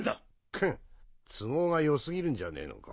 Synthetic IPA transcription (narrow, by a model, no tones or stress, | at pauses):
a | kʰɯ̃t͡sɨmo̞ːɡajo̞sɨɡʲiɾɯ̟̃ɲ̟d͡ʑane̞̰ːno̰ka̰